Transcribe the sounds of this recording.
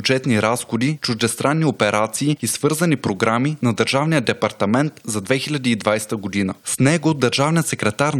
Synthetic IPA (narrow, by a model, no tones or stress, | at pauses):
ud͡ʒɛt̪niɾasxod̪it͡ʃuʒd̪ɛst̪ɾanːiopɛɾat̪siːisvɤɾzənipɾoɡɾaminɐd̪əɾʒavnijəd̪ɛpɐɾt̪ɐmɛnt̪zɐd̪vɛxilʲad̪iːd̪vajst̪əɡod̪inəsnɛɡod̪əɾʒavnijət̪sɛkɾɛt̪aɾ